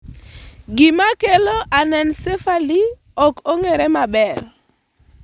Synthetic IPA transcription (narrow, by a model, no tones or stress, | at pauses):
ɡimakeloʔanɛnsefali | ɔkoŋeɾemabɛɾ